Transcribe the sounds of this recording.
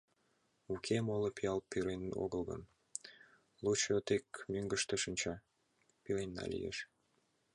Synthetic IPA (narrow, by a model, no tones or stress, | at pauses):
ukʰemolopijɑlpyɾeno̰ɣəlˠɣə̰n | lut͡ɕot̪ekmyŋɡə̆ʃt̪ə̆ʃənʲt͡ɕɑ | pilejnːɑ̰lʲḭjḛʃ